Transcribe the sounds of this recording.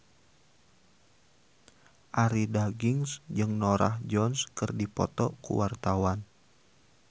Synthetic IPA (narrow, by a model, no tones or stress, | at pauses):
ʔaɾidaɡiŋsd͡ʒɨŋnɔɾa̰hd͡ʒɔnskɨrdipɔt̪ɔkṵwart̪awan